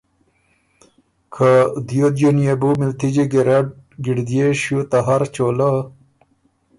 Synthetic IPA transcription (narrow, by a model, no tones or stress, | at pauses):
kʰad̪jod̪jonijebumilt̪id͡ʑeɡeɾaɖɡiɖd̪ijeɕut̪aɦaɾt͡ɕola